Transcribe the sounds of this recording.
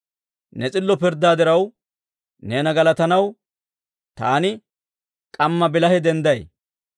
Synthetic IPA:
nɛt͡sʼɪlːɔpɪɾd̪ːaːd̪ɪɾɐw | neːnɐɡɐlɐt̪ɐnɐw | t̪aːnɪ | kʼɐmːɐbɪlɐhɛd̪ɛnd̪ɐj

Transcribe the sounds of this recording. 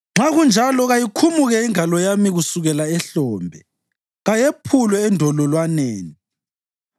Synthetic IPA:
ŋ͡ǁaɣund͡ʒʱalɔɣajikʰumuɣɛiŋʱalɔjamiɣusuɣɛlaɛɬɔːmbʱɛ | ɣajepʰulwɛːndʱɔlɔlwaneːni

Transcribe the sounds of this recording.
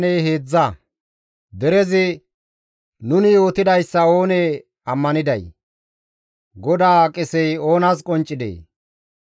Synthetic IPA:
neːheːd͡zːɐ | d̪ɛɾɛzɪ | nʊnɪjo̞ːt̪ɪd̪ɐjsːɐoːneː | ɐmːɐnɪd̪ɐj | ɡɔd̪aːkʼɪsɛjo̞ːnaskʼɔnt͡ʃʼːɪd̪ḛː

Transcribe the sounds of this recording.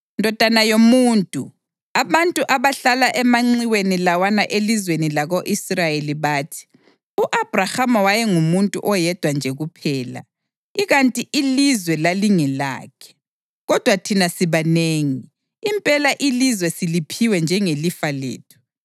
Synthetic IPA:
ndʱɔd̥ʱanajomuːntʼṵ | aβantʼuʔaβaɬalaʔɛmaŋ͡ǀiwenilawanaʔelizwenilaɣoʔisrajeliβaːtʰi̥ | uʔab̥ʱrahamawajɛŋumuntʼṵʔɔjɛd̥ʱwand͡ʒʱɛɣupʰɛːla̰ | iɣantʼiʔilizwɛlaliŋɛla̰ːkʰɛ̥ | ɣɔd̥ʱwatʰinasiβaneːŋiː | mpʼɛlaʔilizwɛsilipʰiwɛnd͡ʒʱɛŋelifalḛːtʰu̥

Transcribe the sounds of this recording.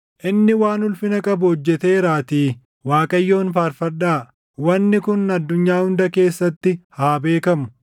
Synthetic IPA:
ʔɪnːɪwaːnʊlfɪnɐkʼɐbʊhɔd͡ʒːɛt̪e̞ːɾaːt̪iː | waːkʼɐjːo̞ːnfaːɾfɐɾɗaː | wɐnːɪkʊnɐd̪ːʊɲːaːhʊnd̪ɐke̞ːsːɐt̪ːɪhaːbe̞ːkɐmʊ̥

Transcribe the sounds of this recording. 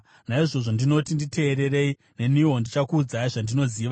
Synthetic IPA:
naiʐo̞ʐo̞ndino̞tindite̞ːɾe̞re̞i | ne̞nio̞ndit͡ʃakuːd͡zaiʐandino̞ziːʋa

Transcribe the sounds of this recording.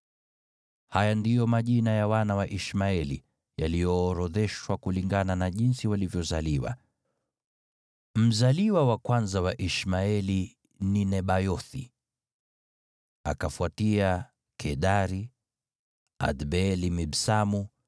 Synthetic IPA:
hajandijɔmaʄinajawanawaʔiʃmaɛlḭ | jalijɔːɾɔðɛʃwakuliŋɡananaʄinsiwalivjɔzaliwa̰ | m̩zaliwawakwanzawaʔiʃmaɛli | ninɛɓajɔθi | a̰kafuatia | kʰɛɗaɾi | a̰dɓɛɛlimiɓsamu

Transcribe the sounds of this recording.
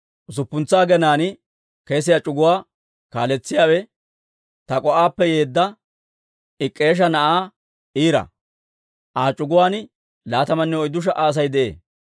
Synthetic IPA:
ʊs̬ʊpːʊnt͡saːɡɛnaːnɪ | keːs̬ɪjat͡ʃʼʊɡʊwaː | ka̰ːlɛt͡sːɪjaːwɛ | t̪ɐkʼɔʔaːpːɛje̞ːd̪ːɐ | ɪkʼːe̞ːʃ̬ɐnɐʔaː | iːɾɐ̰ | ʔaːt͡ʃʼʊɡʊwaːn | laːt̪ɐmɐnːɛɔjd̪ʊʃ̬ɐʔaːs̬ɐjd̪ɛʔḛː

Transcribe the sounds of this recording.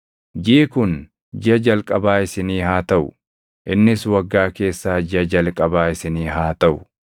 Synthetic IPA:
d͡ʒiːkʊn | d͡ʒɪɐd͡ʒɐlkʼɐbaːɪsɪniːhaːt̪ɐʔʊ | ʔɪnːɪswɐɡːaːke̞ːsːaːd͡ʒɪɐd͡ʒɐlkʼɐbaːɪsɪniːɦaːt̪ɐʔʊ

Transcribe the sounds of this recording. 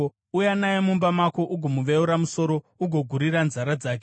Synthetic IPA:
ujanajemumbamakoʔuɡʱomuʋeuɾamuso̞ɾo̞ | uɡʱo̞ɡʱuɾiɾanzaɾad͡zaːk̬e

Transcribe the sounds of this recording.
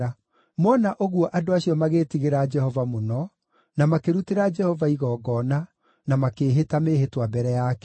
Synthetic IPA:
a | mɔnaʔoɣwɔʔadoaɕiɔmaɣeːtiɣeɾad͡ʒɛhɔvamonɔ | namakeɾuteɾad͡ʒɛhɔvaiɣɔːɡɔna | namakeːɦetameɦetwabɛɾɛjaːkɛ̥

